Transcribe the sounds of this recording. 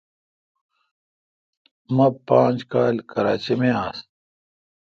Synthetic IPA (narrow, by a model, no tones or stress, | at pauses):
mɐpãːnd͡ʑkaːlkɐɾaːt͡ɕemeaːs